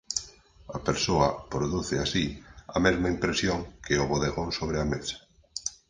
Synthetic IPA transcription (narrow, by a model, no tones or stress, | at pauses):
ɐpeɾsoɐpɾoðuθɪasiɐmezmaimpɾesjoŋkʰeoβoðeɣonsoβ̞ɾɪamesḁ